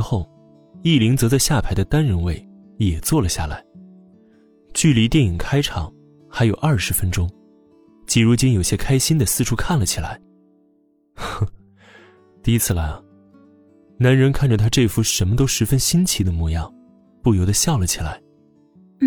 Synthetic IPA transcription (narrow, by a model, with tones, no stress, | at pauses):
xo˥˩ʊ | i˥˩li˧˥ŋt͡sɤ˧˥t͡sa˥˧ɪɕja˥˩pʰa˧˥ɪd̪ə˧t̪a˥nɻə˧˥nwe˥˩ɪ | jɛ˨˩t͡swɔ˥˩lə˩ɕja̰˥˩la̰˧˥ɪ | t͡ɕy˥˩li˧˥t̪jɛ˥˩ni˨˩ŋkʰa˥ɪʈ͡ʂʰɑ̰˨˩˦ŋ | xa˧˥ɪjo˨˩ʊʔɐ˞˥˩ʂɻ̩˧˥fə˥nʈ͡ʂʊ˥ŋ | t͡ɕi˧˥ɻu˧˥t͡ɕi˥ŋjo˨˩ʊɕjɛ˥kʰa˥ɪɕi˥nd̪ə˨sɹ̩˥˧ʈ͡ʂʰu˥kʰa˥˩nlə˨˩t͡ɕʰi˨˩la̰˧˥ɪ | t̪i˥˩i˧˥t͡sʰɹ̩˥˩la˧˥ɪɐ˩ | na˧˥nɻə˧˥nkʰa˥˩nʈ͡ʂə˩t̪ʰa˥ʈ͡ʂe˥˩ɪfu˥ʂə˧˥nmə˧t̪o˥ʊʂɻ̩˧˥fə˥nɕi˥nt͡ɕʰi˧˥d̪ə˧mɔ˥˧˩jɑ˥˩ŋ | pu˥˩jo˧˥ʊd̪ə˧ɕjɑ˥˩ʊlə˩t͡ɕʰi˨˩la̰˧˥ɪ